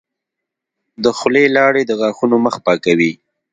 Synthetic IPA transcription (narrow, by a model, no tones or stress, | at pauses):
d̪əxlelɑɽed̪əɣɑxunoməxpɑkawi